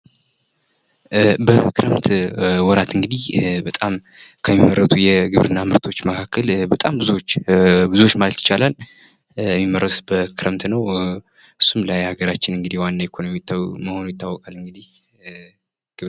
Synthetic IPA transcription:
bəkʰɨɾəmt̪wɔɾat̪ɨŋɡɨd̪ihbət̪ʼam | kʰəmːimːəɾːət̪ʰujɛɡɨβɾɨnːamɨɾt̪ʰo̞t͡ʃːməkʰakʰːəlbət̪ʼambɨzuwot͡ʃːbɨzuwot͡ʃːmalət̪ːɨt͡ʃalal | jɛmːimːərːət̪bəkʰɨɾəmt̪nəw | ʔɨsːumlajhaɡəɾat͡ʃːɪnɨŋɡɨd̪ihwanːaekʰonomijt̪ːməhonujɪt̪ʰʼːawɔkʼalɨŋɡɨd̪ih | ɡ̥ɨβ

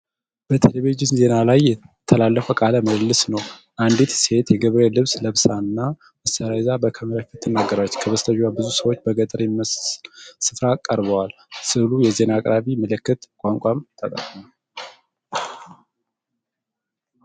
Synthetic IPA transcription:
b̥ət̪ʰeleβed͡ʒɪnze̞nalajːɛt̪ʰːəlalːəfəkʼaləməllːɨsnəwʔand̪it̪se̞t̪jɛɡɨβɾelɨβsləβsanːa | məsəɾazabəkʰəməɾafɨt̪ʰːɨnːaɡːəɾat͡ʃːkʰəβəst̪ʰəʒwabɨzusəwot͡ʃːbəɡət̪ʼəɾjɛməssɨfɾakʼəɾβəwal | sɨlujɛze̞nakʼɾaβiməlɨkːɨt̪kʼaŋkʷʼamt̪ʰʼət̪ʼə̰kʼmal

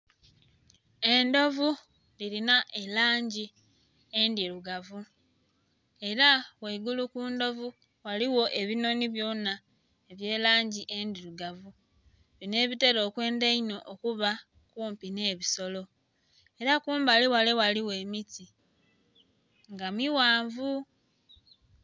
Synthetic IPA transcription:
e̞ndo̞vu | liɾinaʔelaːɲɟi | e̞ndiɾuɡavu | e̞ɾaweiɡulukuːndo̞vu | waliwo̞ʔe̞βino̞niβjo̞na | eβje̞ːlaːɲɟiʔe̞ndiɾuɡavu | βine̞ːβite̞ɾo̞ːkwe̞ːndeino̞ʔokuβa | kuːmpine̞ːβiso̞lo̞ | e̞ɾakuːmbaliwalewaliwe̞miti | ŋɡamiwaːɱvu

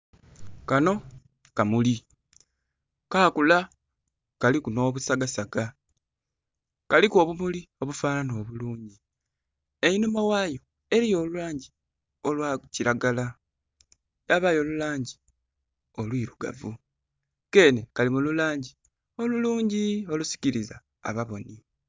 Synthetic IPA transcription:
kano̞ | kamuli | kaːkula | kalikuno̞ːβusaɡasaɡa | kaliko̞ːβumulio̞βufaːnano̞ːβuluːɲɟi | einumawaːjo̞ | e̞ɾijo̞ːluwaːɲɟi | olwaciɾaɡala | jaβajo̞ːlulaːɲɟi | o̞lwiːɾuɡa̰vu | ke̞ːne̞kalimululaːɲɟi | o̞luluːɲɟio̞lusi̥ciɾiza̰ː | βaβo̞ni

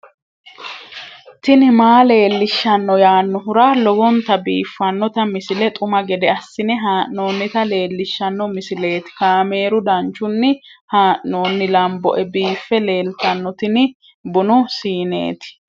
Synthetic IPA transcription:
t̪ɪnɪmaːle̞ːlːɪʃːɐnːɔjaːnːɔɦʊɾaːlɔwɔnt̪ɐbiːfːɐnːɔt̪ɐmɪsɪlɛt̪ʼʊmɐɡɛd̪ɛɐsːɪnɪɦaːʔno̞ːnːɪt̪ɐle̞ːlːɪʃːɐnːɔmɪsɪle̞ːt̪ɪ̥kaːme̞ːɾʊd̪ɐnt͡ʃːʊnːɪhaːʔno̞ːnːɪlɐmbɔ̰ʔɛbiːfːɛle̞ːlt̪ɐnːɔt̪ɪnɪ | bʊnʊsiːnḛːt̪ɪ̥

